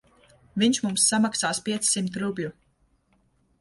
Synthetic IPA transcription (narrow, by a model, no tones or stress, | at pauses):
viɲʃmumsːamaksaːspʲiɛt̪ssimt̪ɾublʲu